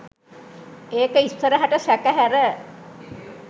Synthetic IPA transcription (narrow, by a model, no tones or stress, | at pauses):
eːkəisəɾəɦaʈəsækəɦæɾə